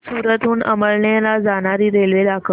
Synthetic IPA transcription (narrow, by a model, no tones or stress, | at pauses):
suːɾət̪uːnə̰məɭɳjalad͡zaɽaɾiːɾelʋelakə